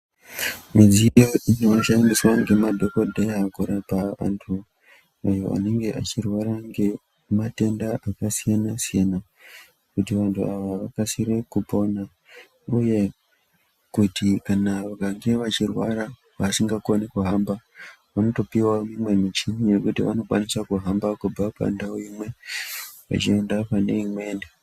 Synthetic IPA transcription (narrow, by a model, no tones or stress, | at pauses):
mid͡zijo̞ʔino̞ʃandiswaŋɡe̞madʱo̞kodʱejakuɾapaʋa̰ntʰu | ajo̞̰ʔa̰ne̞ŋɡe̞ʔat͡ʃirwaɾaŋɡe̞ | mate̞ndaʔakasijanasijena | kutiʋantʰuaʋaʋakasiɾe̞kupo̞na | uje̞ | kutikanaʋaɡʱaŋɡe̞ʋat͡ʃirwaɾa | ʋasiŋɡakonekuɦamba | ʋano̞to̞piwamimwe̞mit͡ʃiɲije̞kutiʋano̞kwanisakuɦambakub͡vapa̰ndaoimwe̞ | ʋa̰t͡ʃie̞ndapane̞imwe̞ːnde